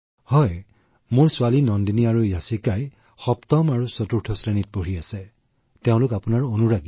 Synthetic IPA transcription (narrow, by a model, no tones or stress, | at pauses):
hɔj | mʊɹsʊwalinɔndiniaɹujasikaj | xɔptɔmaɹusɔtuɹtʰɔsɹenit̚poɹiasɛ | teʊ̃lʊkapʊnaɹonuɹaɡi